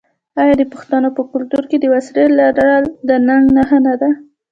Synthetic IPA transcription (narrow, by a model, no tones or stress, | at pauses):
ɑjɑd̪əpəxt̪anəpəkʊlt̪uɾked̪əwasɾelaɾaɽald̪ənaŋɡnaɦanad̪a